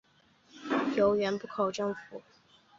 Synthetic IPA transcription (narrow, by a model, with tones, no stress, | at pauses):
jo˧˥ʊɥɛ˧˥npu˥˩kʰo˨˩ʊʈ͡ʂɤ˥˩ŋfu˨˩˦